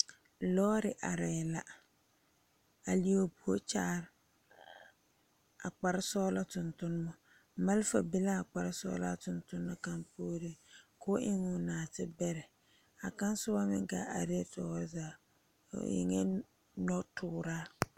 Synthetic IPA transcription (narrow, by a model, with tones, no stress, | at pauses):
lɔː˦ɾɪ˨ʔa˨ɾɛː˨la˦ | a˨li˨o˨pu˨o˦t͡ʃaː˦˨ɾ | a̰˨k͡pa˨ɾɪ˦sɔː˦la˦tʊ˨ntʊ˦n˦mɔ˦ | ma˦lfa̰˨bɪ˦la˦a˨k͡pa˨ɾɪ˦sɔ̰ː˦la̰˦tʊ˨ntʊ˦nː˦ɔ˦ka˦npoː˦ɾɪ˦kʊ˦ʔɪ˦ŋʊ˨naː˨tɪ˦bɛ˦ɾɛ˨ | a˨ka˦n˦sʊ˦ba˦mɪ˦ŋɡa˨a˨ɾi˦tɔ˨wa˦za̰ː˨ | jɪ̰˨ŋɛ˦ | nɔ˦tʰʊː˦˨ɾaː˦